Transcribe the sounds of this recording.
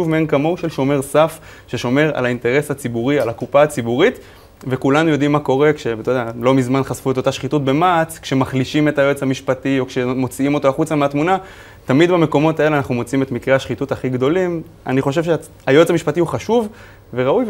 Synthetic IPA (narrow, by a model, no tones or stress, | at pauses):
uvmeenkamo̞uʃe̞lʃo̞meʁsaf | ʃeʃo̞me̞ʁa̰lainte̞ʁe̞shat͡sibuʁialakupaːt͡sibuʁit | ve̞kulanujo̞dimːako̞ʁe̞kʃe̞t̪odealo̞mizmanχazfue̞t̪otaʃχitut̚be̞mat͡skʃe̞maχliʃime̞tajoet͡shamiʃpatio̞kʃe̞mo̞t͡siimo̞toaχut͡sameat̪muna | tamid̪bame̞ko̞mo̞t̪ae̞leanaχnumo̞t͡siimetmikʁeaʃχitutaχiɡd̪o̞lim | a̰niχo̞ʃ̬e̞vʃe | ajo̞et͡samiʃpatihuχaʃuv | ve̞ʁauj